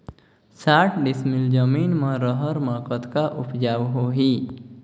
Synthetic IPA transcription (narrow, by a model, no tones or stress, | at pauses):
saʈʰɖɪsmɪld͡ʒəmiːnmə̃ɾəɦəɾməkət̪kaʔʊpd͡ʒaʋɦoɦiː